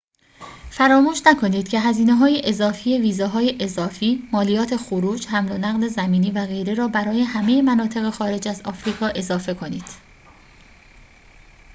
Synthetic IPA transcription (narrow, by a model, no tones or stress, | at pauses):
fæɾɒːmuːʃnækʰo̞niːd̪̥̚cʰe̞ɦæziːneɦɒːjeʔezɒːfiːje̞viːzɒːɦɒːjeʔezɒːfiːmɒːlijɒːt̪ʰe̞xoɾuːd͡ʒhæmlonæɣle̞zæmiːniːvæɣe̞jɾe̞ɾɒːbæɾɒːje̞hæme̞je̞mænɒːt̪ʰe̞ɣe̞xɒːɾe̞d͡ʒæzɒ̰ːfɾiːkʰɒːʔe̞zɒːfe̞kʰo̞niːd̪̥